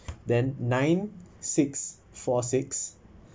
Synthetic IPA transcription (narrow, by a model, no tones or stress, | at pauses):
dɛ̃nːãj̃nsiks | fɔsiks